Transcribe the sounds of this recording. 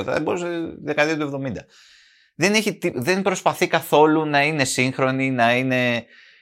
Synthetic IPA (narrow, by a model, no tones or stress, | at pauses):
θɐ̰ðeboɾuseðekɐðiɐt̪ue̞vðo̞mind̪ɐ | ðe̞neçit̪iðe̞nbɾo̞spɐθikɐθo̞lunɐine̞siŋxɾo̞ninɐine̞